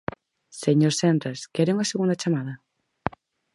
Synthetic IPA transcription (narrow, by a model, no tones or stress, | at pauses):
seɲoɾsend̪ɾaskɛɾeuŋɐseɣund̪at͡ʃamaðɐ